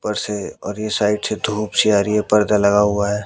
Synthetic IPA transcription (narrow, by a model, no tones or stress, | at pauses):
pəɾseɔ̰ːɾjesaːɪɖsed̪ʱuːpsiaːɾijepəɾd̪aləɡaɦuaɦɛː